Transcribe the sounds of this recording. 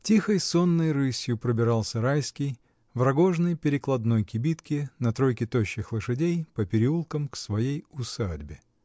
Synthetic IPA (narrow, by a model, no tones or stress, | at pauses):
tʲixəjsonːəjrɨsʲjʊpɾəbʲɪɾɑlˠsʲəɾajskʲɪj | vɾɐɡo̞ʐnəjpʲɪɾʲɪklˠɐd̪no̞jkʲɪbʲit̪kʲɪnɐt̪ɾo̞jkʲɪt̪oɕːɪxlˠɨʂɨdʲejpəpʲɪɾʲɪulˠkəmksvɐjejʊsadʲbʲɪ